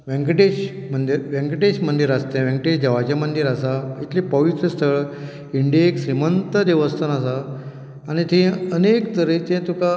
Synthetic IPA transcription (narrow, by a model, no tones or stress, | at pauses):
ʋẽŋɡʈeɕ | mənd̪iɾʋẽŋɡʈeɕmənd̪iɾast̪ẽʋɛ̃ŋɡʈeɕd͡ʑ̪əʋat͡ɕamənd̪iɾasait̪ʰlipəʋit̪ɾəst̪ʰəɭ | iɳɖijeekɕɾimənt̪əd̪eʋəst̪ʰənasaː | ñit̪ʰẽənekt̪əɾet̪ẽt̪uka